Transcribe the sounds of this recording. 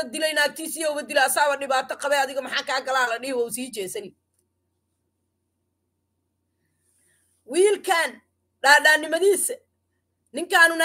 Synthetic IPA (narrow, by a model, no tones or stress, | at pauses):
ɐd̪ɪlɛjnaːt̪ʰiːsɪjɐʊβɐd̪ɪlɛɐsaːβɐɗɪβaːt̪ʰɐqɑβɛjɐðɪɣɔmɑħɑːkʰaːɡɐlaːlɐɗɪhwɐʊsiːt͡ʃɛːsɐnɪ | wiːlkʰaːn | ɖaːɖaːnɪmɐðiːsɛ | nɪŋkʰaːnʊna